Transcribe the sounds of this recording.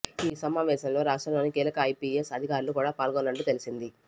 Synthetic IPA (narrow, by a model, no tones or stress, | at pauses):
iːsɐmaːʋɛːʃɐmlo̞ːɾaːʂʈɐmloːnikiːlɐkɐːjpiesɐd̪ʱikaːɾulukuːɽaːpaːlɡonːɐɳʈːuːt̪e̞lisind̪i